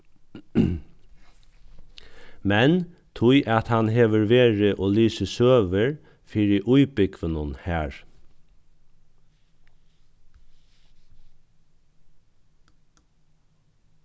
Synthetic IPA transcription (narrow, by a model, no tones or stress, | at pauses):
mɛnt̪ʰʊɪʔɑt̪hɑnɦeːʋəɹʋeːɹəʔoːlyːsəsøːʋəɹ | fiːɹiʔʊʏbɪɡʋənʊnhæːɹ